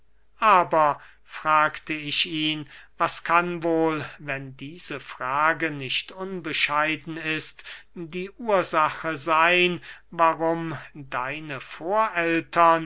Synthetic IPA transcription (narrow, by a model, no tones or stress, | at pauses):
ʔaːbɐ | fʁ̥aːktəɪʃiːnvaskʰanvoːlvɛndiːz̥əfʁ̥aːɡənɪʃtʊnbəʃaɪdn̩ɪstdiːʔuːɐzaχəzaɪnvaʁʊmdaɪnəfoːɐʔɛltʰɐn